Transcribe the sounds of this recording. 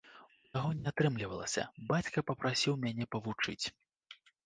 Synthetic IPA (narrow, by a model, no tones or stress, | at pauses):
ujaɣɔnʲiat̪ɾɨmlʲivɐlˠɐ̰sʲɐ̰bat͡sʲkɐpɐpɾasʲiwmʲanʲɛpɐvut͡ʂɨ̰t͡sʲ